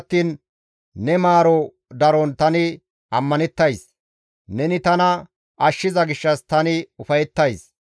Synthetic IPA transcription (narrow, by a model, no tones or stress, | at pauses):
t̪ːiːnː | ɛmaːɾɔ | d̪ɐɾɔnt̪ɐnɪ | ʔɐmːɐnɛt̪ːɐjs | nɛnɪt̪ɐnɐ | ʔɐʃːɪzɐɡɪʃːɐst̪ɐnɪʊfɐjɛt̪ːɐjs